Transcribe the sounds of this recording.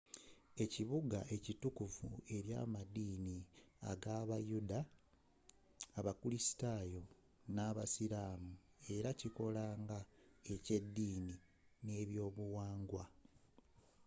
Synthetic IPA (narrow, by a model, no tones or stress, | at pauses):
e̞ciβuɡa̰ʔe̞citukuvue̞ɾja̰ːmadiːnia̰ɡaːβajuda | βakulisi̥taːjo̞ | naːβasiɾaːmu | e̞ɾaciko̞laːŋɡae̞cedːiːni | ne̞ːβjo̞ːβuwaːŋɡwa